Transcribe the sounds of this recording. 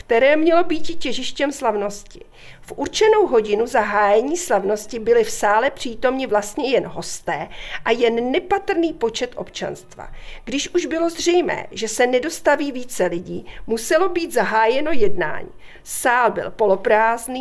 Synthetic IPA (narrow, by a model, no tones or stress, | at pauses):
kt̪ɛɾɛːmɲɛlo̞biːcɪcɛʒɪʃcɛmslavno̞scɪ | fʔuɾt͡ʃɛno̞wɦo̞ɟɪnuzaɦaːjɛɲiːslavno̞scɪbɪlɪfsaːlɛpr̝̥iːt̪o̞mɲɪvlast̪ɲɛjɛnɦo̞st̪ɛːʔajɛnːɛpat̪r̩niːpo̞t͡ʃɛt̪ʔo̞̰pt͡ʃa̰nst̪va̰ɡ̥dɪʃʔuʒbɪlo̞zr̝ɛjmɛ̰ːʒɛsɛnɛdo̞st̪aviːviːt͡sɛlɪɟiːmusɛlo̞biːt̪zaɦaːjɛno̞jɛdna̰ːɲḭː | saːlbɪ̰lpo̞lo̞pɾaːzniː